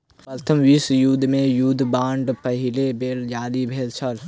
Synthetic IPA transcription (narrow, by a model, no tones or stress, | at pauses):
pəɾt̪ʰəmʋisjuːd̪mẽjuːd̪bãːɳɖpɐɦɪlebeːld͡ʒaːlibʱeːlt͡ʃʰɐl